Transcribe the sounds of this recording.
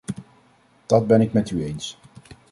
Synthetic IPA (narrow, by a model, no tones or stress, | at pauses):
d̥ɑd̚bɛnɪkmɛtyejns